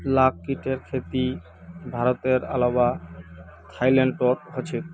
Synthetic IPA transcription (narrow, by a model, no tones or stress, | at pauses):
lakːiʈeɾkʰet̪i | bʱaɾot̪eɾa̰laba | t̪ʰajlaɳɖʈoɾɦot͡ɕʰek